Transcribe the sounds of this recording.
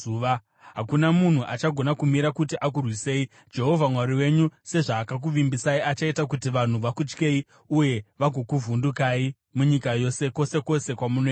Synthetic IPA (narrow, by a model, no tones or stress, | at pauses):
ʋa | ɦakunamun̤uʔat͡ʃaɡʱo̞nakumiɾakutiʔakurwise̞i | d͡ʒe̞ɦo̞vʱamwaɾiwe̞ɲuse̞ʐaːkak̬uʋimbisaiʔat͡ʃaitakutiʋan̤uʋakut͡ʃke̞i | uje̞ʋaɡʱo̞kuvʱundukaːi | muɲikajo̞se̞ko̞se̞ko̞se̞kwamuno